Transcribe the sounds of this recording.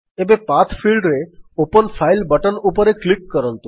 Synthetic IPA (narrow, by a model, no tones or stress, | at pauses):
ebepat̪ʰfʰilɖɾeopənfʰajlbəʈənupɔɾeklikːɔɾɔnt̪u